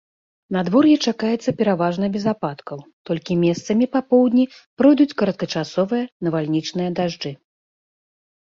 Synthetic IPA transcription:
nad̪vɔrjɛt͡ʂakajɛt̪sːɐpʲɛɾavaʐnɐbʲɛzapat̪kɐwt̪ɔlʲkʲimʲɛst̪sɐmʲipapɔwd̪ʲnʲipɾɔjd̪ut͡sʲkɐɾɐt̪̚kɐt͡ʂasɔvɨjɐnɐvalʲnʲit͡ʂnɨjɐd̪aʐd͡ʐɨ

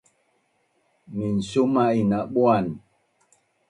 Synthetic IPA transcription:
min̩somainaɓwan

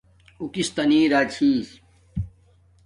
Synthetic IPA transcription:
ukist̪ɐniːɾaːt͡ɕʰiːs

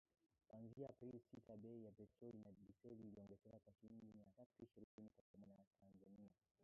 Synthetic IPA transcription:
kwanziapɾilsitaɓɛijapɛtɾɔlinaɗisɛliːliɔŋɡɛzɛakwat͡ʃind͡ʒimiatatuiʃiɾikinikat͡ʃamɔɲaatʰanzania

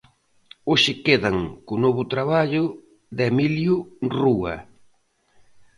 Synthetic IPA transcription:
oʃɪkeðɐŋkʊnoβʊt̪ɾaβaʎʊ | ðemiljʊruɐ̰

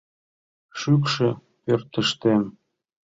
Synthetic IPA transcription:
ʃykʃĕ | pørt̪əʃt̪em

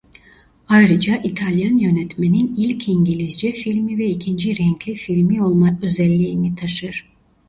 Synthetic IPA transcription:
ajɾɯd͡ʒaʔit̪ʰalʲjanjø̞nɛt̪me̞ninilʲcʰiɲɟilʲizd͡ʒɛfilʲmivɛicʰind͡ʒiɾɛɲclʲifilʲmiolˠmaøzɛlʲːiːnit̪ʰaʃɯɾ̥

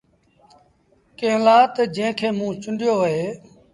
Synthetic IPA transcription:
kẽːlaːt̪d͡ʒẽːkʰeːmũːt͡ʃʊnɖɪjoːɦeː

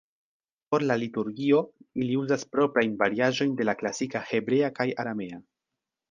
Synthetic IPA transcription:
po̞ɾlalituɾɡio̞iliuzaspɾo̞pɾajnvaɾiaʒo̞jnde̞laklasikahe̞bɾe̞akajaɾame̞a

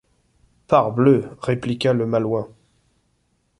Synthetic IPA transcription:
paʁbløʁeplikaləmalwɛ̃

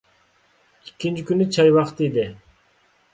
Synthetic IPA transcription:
ikʲːint͡ʃikynyt͡ʃʰɑjβɑqt̪id̪ɪ

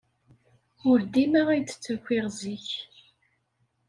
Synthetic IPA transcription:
ʊɾd̪imaʁæjt͡sːə̥t͡sːækʷːiʁziç

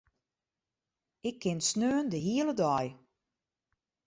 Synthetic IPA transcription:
ɪkʰːɪnsnøːəndəɦiələdɔj

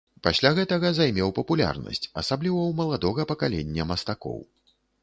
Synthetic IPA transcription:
pasʲlʲaɣɛt̪ɐɣɐzajmʲɛwpɐpulʲa̰rnɐ̰sʲt͡sʲɐsablʲivɐwmɐlˠad̪ɔɣɐpɐkalʲɛnʲːɐmɐst̪akɔ̰w

